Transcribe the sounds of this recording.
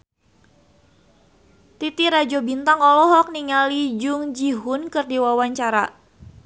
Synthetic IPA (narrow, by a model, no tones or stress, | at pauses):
t̪it̪iɾad͡ʒobint̪aŋɔlɔɦɔk̚niŋalid͡ʒʊŋd͡ʒiɦʊnkɨrdiwawaɲt͡ʃaɾa